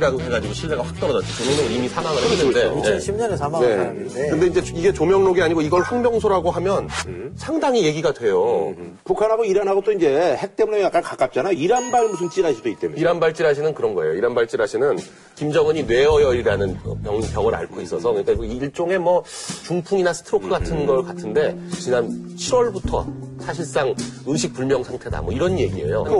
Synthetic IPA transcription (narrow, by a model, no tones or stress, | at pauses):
ɾaɡoɦe̞ɡad͡ʑiɡoɕʰiɭːe̞ɡaɸwak̚t͈ʌʌnʌt͡ɕ͈ʰekɯmonɯnnimisʰanaŋɯɭenːɯnde̞neɕʰimɲʌnesʰamane | kɯnde̞ind͡ʑe̞iɡe̞t͡ɕomjʌŋnoɡiaɲiɡoiɡʌɭɸaŋmjʌŋsʰoɾaɡoɦamjʌnsʰaŋdaŋije̞ɡiɡadwe̞jo | pukʰanɦaɡoiɾanɦaɡot͈oind͡ʑe̞he̞k̚t͈e̞munejak͈ankak͈ap̚t͡ɕ͈anajoiɾanbaɾmusʰɯnt͡ɕ͈iɾɦaɕʰidoit̚t͈emiɾanbaɭt͡ɕ͈iɾɦaɕʰinɯnkɯɾʌnɡʌe̞joiɾanbaɭt͡ɕ͈iɾɦaɕʰinɯn | kimd͡ʑʌŋɯɲinwe̞ʌjʌiɾiɾanɯnʌ̰pjʌŋpjʌŋɯɾa̰ɭkʰois͈ʌsʰʌkɯɲik͈aiːɭt͡ɕ͈oŋe̞mwʌt͡ɕuŋpʰuŋinasʰɯ̥tʰɯɾokʰɯɡatʰɯnɡʌɭkatʰɯnde̞t͡ɕinant͡ɕʰiɾwʌɭbutʰʌ̰sʰaɕʰiɭs͈aŋɯnɕʰik̚p͈uɭmjʌŋsʰaŋtʰe̞da̰mwʌiɾʌnje̞ɡie̞̰jo̰